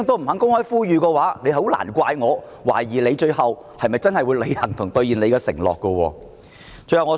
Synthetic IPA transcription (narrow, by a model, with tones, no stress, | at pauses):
ŋt̪o˥m̩˨˩hɐ˨˥ŋkʊ˥ŋhɔː˥jfuː˥jyː˨˧kɛ˧waː˨˥le˨˧jhho˨˥wla̰ː˨˩nkʷaː˧jŋɔː˨˧ | waː˨˩jjiː˨˩le˨˧jt͡ʃɵ˧ɥɦɐ˨w | hɐ˨jmɐ˨jt͡sɐ˥nhɐ˨jwu˨˧jle˨˧jhɐ˨˩ŋt̪ʰʊ˨˩ŋt̪ɵ˧ɥjiː˨˩nle˨˧jkɛ˧sɪ̰˨˩ŋlɔ̰ː˨kːɔ˧wɔ̰ː˧ | t͡ʃɵ˧ɥhɐ˨˩wŋɔː˨˧